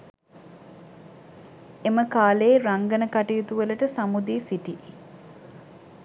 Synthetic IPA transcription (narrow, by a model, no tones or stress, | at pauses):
eməkaːleːɾaŋɡənəkaʈijut̪uʋələʈəsamud̪iːsiʈi